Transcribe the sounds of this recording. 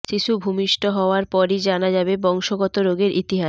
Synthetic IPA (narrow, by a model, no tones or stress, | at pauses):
ʃiʃubʱumiʃʈoɦɔoaɾpɔɾid͡ʑanad͡ʑabebɔŋʃoɡɔt̪oɾoɡeɾʔit̪iɦa